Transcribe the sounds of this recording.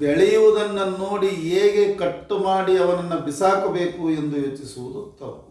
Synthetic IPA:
beɭɛjuʋud̪ɐnːɐno̞ːɽieːɡekɐʈːumaːɽiɐʋɐnɐnːɐbisaːkɐbe̞ːkue̞nd̪ujoːt͡ʃisuʋud̪ut̪ɐu

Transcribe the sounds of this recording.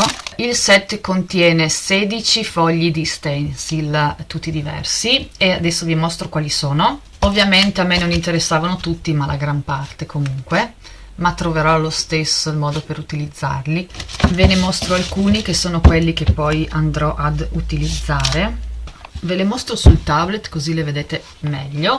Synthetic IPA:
ilsɛt̪ːkont̪jɛːneseːd̪it͡ʃifɔʎːid̪ist̪ɛnsilt̪ut̪ːid̪ivɛ̰rsiead̪ɛsːoviemost̪ɾokwaːlisoːno | ovːjament̪eamːenonint̪eɾesːaːvanot̪ut̪ːimalʔaɡɾampart̪ekomuŋkwe | mat̪ːɾoveɾɔlost̪esːoilmɔːd̪opeɾut̪ilid̪zːa̰rlivenemost̪ɾoalkuːnik̟esːoːnokwelːikepːɔjʔand̪ɾɔʔad̪ut̪ilid̪zːaːɾe | velemost̪ɾosult̪ablet̪kozileved̪eːt̪e | mɛʎːo

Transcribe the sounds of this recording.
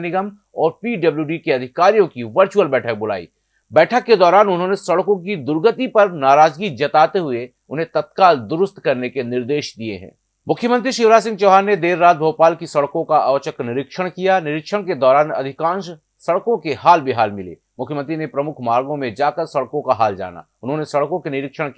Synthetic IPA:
nɪɡəm | ɔːɾpiːɖɐbljuːɖikeɐd̪ʱɪkaːɾijõkiʋəɾt͡ʃuəlbɛːʈʰək̚bʊla̰ːḭː | bɛːʈʰəkːed̪ɔːɾaːnʊnɦõnesɐɽkõk̬id̪ʊɾɡət̪ipɐɾnaːɾaːd͡ʒɡid͡ʒɐt̪aːt̪eɦʊe | ʊnɦẽt̪ɐt̪̚kaːld̪ʊɾʊst̪kɐɾnekenɪɾd̪eːʃd̪iḛɦɛ̰̃ː | mʊkʰjəmə̃nt̪ɾiʃɪʋɾaːs̬ɪ̃ŋɡt͡ʃɔːɦaːnːed̪eːɾːaːt̪̚bʱəwpaːlkisɐɽkõkaʔaːʋt͡ʃəknɪɾɪkʃəɽ̃kijanɪɾɪkʃəɽ̃ked̪ɔːɾaːnɐ̰d̪ʱɪkãːnʃ | sɐɽkõkehaːlbʱiɦaːlmɪlḛː | mʊkʰjəmə̃nt̪̬ɾinepɾɐmʊkʰmaːɾɡõmẽd͡ʒaːkəɾsɐɽkõkaɦaːld͡ʒa̰ːna̰ | ʊnɦõːnesɐɽkõkenɪɾɪkʃəɽ̃

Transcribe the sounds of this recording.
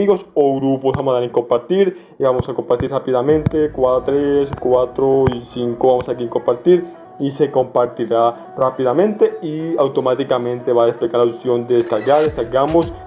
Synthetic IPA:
iɣosoɣɾuposβamosaɾiŋkompaɾt̪iɾ | iβamosakompaɾt̪iɾrapiðamẽnt̪ekwat̪ɾeskwat̪ɾoisiŋkoβamosakiŋkompaɾt̪iɾ | isekompaɾt̪iɾa | rapiðamẽnt̪eiawt̪omat̪ikamẽnt̪eβaðespeɣaɾasjond̪eðeskaɾɣaɾðeskaɾɡamos

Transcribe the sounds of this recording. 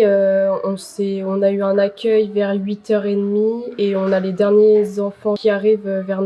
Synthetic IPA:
øɔ̃sɛɔ̃nayɛ̃nakʲʰœjvɛʁɥit̪œʁed̪mieɔ̃naled̪ɛʁnjezɑ̃fɑ̃kʲiaʁivøvɛʁn

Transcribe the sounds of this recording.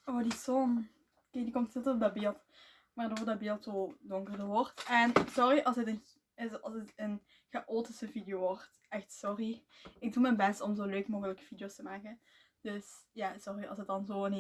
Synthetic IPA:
oːdisɔn | keːdikɔmtnɛtəɔbdɑbeːlˠt | ʋaːrdoːrdɑbeːlˠtsoːdɔŋkərdərʋɔrtɛnsɔriʔɑlˠsətən | ɑ̰lˠsətən | ɣəʔoːtəsəvidijoːʋɔrt | ɛxtsɔri | ɪɡ̚dumɛnbɛstɔmzoːløːkmoːɣələkə̥v̥idjostəmaːkən | d̥øsjaːsɔriɑ̰lˠsət̚dɑnzoːən

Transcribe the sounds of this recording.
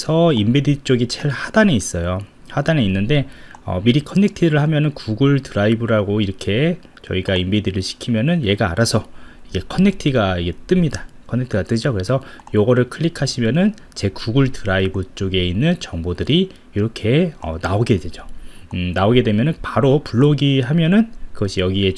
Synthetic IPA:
sʰʌimbedit͡ɕ͈oɡit͡ɕʰeɭhad̥aneis͈ʌjohadane̞inːɯnde̞ʌ̰miɾikʰʌnːe̞k̚tʰiɾɯɭhamjʌnɯnkuɡɯɭtɯɾaibɯɾaɡoiɾʌkʰe̞ | t͡ɕʌiɡaimbediɾɯɭɕʰi̥kʰimjʌnɯnje̞ɡa̰ːɾasʰʌiɡe̞kʰʌnːe̞k̚tʰiɡaiɡet͈ɯmɲidakʰʌnːektʰiɡat͈ɯd͡ʑokɯɾe̞sʰʌ | joɡʌɾɯɭkʰɯɭːikʰaɕʰimjʌnɯn | t͡ɕe̞kuɡuɭtɯɾaibut͡ɕ͈oɡe̞inːɯnt͡ɕʌŋbodɯɾi | iɾʌkʰe̞ʌ̰naoɡe̞dwe̞d͡ʑonaoɡe̞dwe̞mjʌnɯnpaɾopuɭːoɡiɦamjʌnɯnkɯɡʌɕʰijʌɡie̞

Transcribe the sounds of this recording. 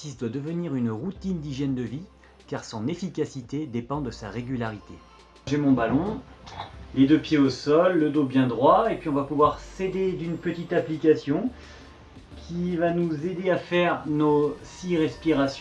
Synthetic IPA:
sisd̪wad̪əvəniʁynʁut̪ind̪iʒjɛnd̪əvi | kaʁsɑ̃nefikʲasit̪ed̪epɑ̃d̪əsaʁeɡʲylaʁit̪e | ʒemɔ̃balɔ̃ | led̪øpjeosɔlːəd̪objɛ̃d̪ʁwaepɥiɔ̃vapuvwaʁsed̪ed̪ynpət̪it̪aplikʲasjɔ̃ | kʲʰivanuzed̪eafɛʁnosiʁɛspiʁasj

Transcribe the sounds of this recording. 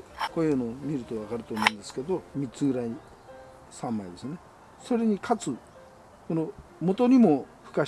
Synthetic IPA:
koiɯnomʲiɾɯ̟t̪o̞βakaɾɯ̟t̪o̞ːmoːɯ̃nd̪esɨ̥ke̞d̪o̞mʲit͡sɨɡɯ̟ɾai | sãmːaid̪esɨne̞ | so̞ɾe̞ɲ̟ikʰat͡sɨ | konomo̞t̪o̞ɲ̟imo̞ɸɯ̟̥ka

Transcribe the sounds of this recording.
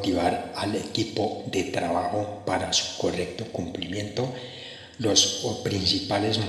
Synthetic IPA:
t̪iβaɾalekipoðet̪ɾaβaxopaɾasu̥ko̞rek̚t̪o̞kumplimjẽ̞nt̪o | lospɾinsipalezm

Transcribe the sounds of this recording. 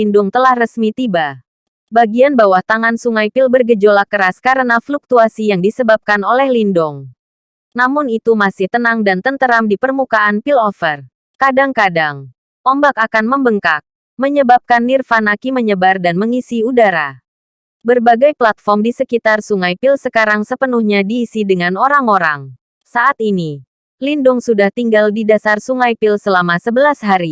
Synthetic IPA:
indʊŋt̪əlahrəsmit̪iba | baɡianbawaht̪aŋansuŋajpilbərɡəd͡ʒolakəɾaskaɾənafluk̚t̪uasijaŋdisəbap̚kanolɛhlindʊŋ | namʊnit̪umasɪht̪ənaŋdant̪ənt̪əɾamdipərmukaʔanpilɔfər | kadaŋkadaŋ | ʔɔmbakakanməmbəŋkak̚ | məɲəbap̚kanːirfanakiməɲəbardanməŋisiudaɾa | bərbaɡajplat̪̚fɔrmdisəkit̪arsuŋajpilsəkaɾaŋsəpənuhɲadiːsidəŋanoɾaŋoɾaŋ | saʔat̪ini | lindʊŋsudaht̪iŋɡaldidasarsuŋajpilsəlamasəbəlasɦaɾi

